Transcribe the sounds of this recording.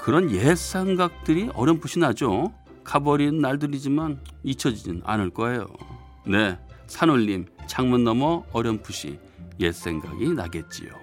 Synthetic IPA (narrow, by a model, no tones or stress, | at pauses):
kɯɾʌnjes͈ʰe̞ŋɡak̚t͈ɯɾiʌɾjʌmpʰuɕʰinad͡ʑo | kabʌɾinːaɭdɯɾid͡ʑimanit͡ɕʰʌd͡ʑinɯna̰nɯɭk͈ʌe̞jo̰ | ne̞sʰanoʎːimt͡ɕaŋmɯnːʌmʌʌɾjʌmpʰuɕʰḭ | je̞s͈ʰe̞ŋɡa̰ɡina̰ɡe̞t̚t͡ɕ͈ḭjo̰